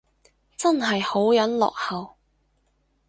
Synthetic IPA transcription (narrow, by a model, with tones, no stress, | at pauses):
t͡sɐ˥nɦɐ˨jho˨˥wjɐ˨˥nlɔ̰ː˨k̚hɐ˨w